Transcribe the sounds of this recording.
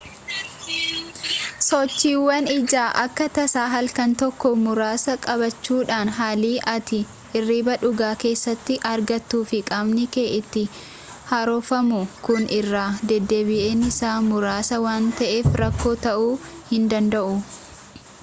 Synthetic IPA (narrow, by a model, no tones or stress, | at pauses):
sɔt͡ʃːiːwːɐnɪd͡ʒaːʔɐkːɐt̪ɐsaːɦɐlkɐnt̪ɔkːɔmʊɾaːsɐkʼɐbɐt͡ʃːuːᶑaːnɦaːliːʔɐt̪ɪ | ɪrːiːbɐᶑʊɡaːke̞ːsːɐt̪ːɪʔɐɾɡɐt̪ːuːfɪkʼɐmnɪke̞ːʔɪt̪ːɪ | hɐɾɔfɐmʊkʊnɪrːaːd̪ɛd̪ːeːbɪʔe̞ːnɪsaːmʊɾaːsɐwaːnt̪ɐʔe̞ːfɾɐkːo̞ːt̪ɐʔuːhɪnd̪ɐnd̪ɐʔʊ